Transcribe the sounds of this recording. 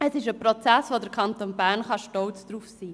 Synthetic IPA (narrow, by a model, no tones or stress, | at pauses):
ɛsɪʃəprot͡sæsʋodəɾkʰɑntoːnbæʁnχɑʃtɔlt͡sd̥ruːfsiː